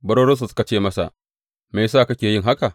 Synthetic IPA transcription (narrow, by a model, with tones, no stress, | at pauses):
bɐ˦ɾoː˦ɾɐ˦s̬ɐ˨ska˨t͡ʃeː˦˨mɐ˦sa̰˨ʔ | me˨saː˦˨kɐ˦kʲeː˨jɪ˦ŋɦa˦ka˨